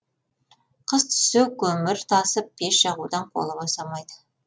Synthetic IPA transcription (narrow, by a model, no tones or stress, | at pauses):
qʰəzt̪ʰʏ̥sɪwkʲʰɵmɪɾt̪ʰɑsəp̚be̞ʃʒ̥ɑʁud̪ɑɴqʰo̰lˠəbosɑmɑjd̪ə